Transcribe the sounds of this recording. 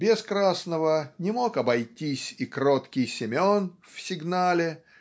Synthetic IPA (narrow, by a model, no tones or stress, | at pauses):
bʲɪskɾasnəvənʲɪmokɐbɐjtʲisʲikɾot̪kʲɪjsʲɪmʲonfsʲɪɡnalʲɪ